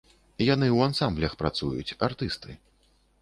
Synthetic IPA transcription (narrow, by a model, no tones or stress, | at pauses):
janɨwansamblʲɐxpɾat̪sujṵt͡sʲart̪ɨst̪ɨ